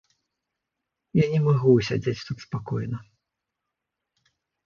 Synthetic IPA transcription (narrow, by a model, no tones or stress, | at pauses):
janʲɛmaɣuus̬ʲad͡zʲet͡sʲt̪ut̪spakɔjnɐ